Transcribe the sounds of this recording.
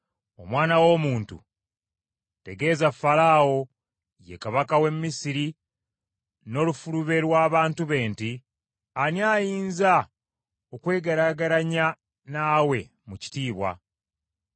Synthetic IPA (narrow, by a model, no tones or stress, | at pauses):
o̞mwaːnawo̞ːmuːntṵ | te̞ɡe̞ːzafalaːwo̞ | je̞̰kaβakawe̞mːisiɾi | no̞lufuluβe̞lwaːβaːntuβe̞ːnti | anjaːjiːnza | okwe̞ːɡaɾaɡaɾaɲa | naːwe̞ | muci̥tiːβwa̰